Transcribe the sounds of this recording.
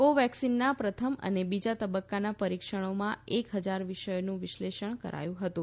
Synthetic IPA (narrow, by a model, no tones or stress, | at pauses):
koʋɛksinːapɾət̪ʰəmə̰nebid͡ʒat̪əbəkːanapəɾikʃəɽ̃omãekɦəd͡ʒaɾʋiʃəjonũʋɪʃleʃəɳ̃kə̰ɾʔa̰jũɦət̪ũ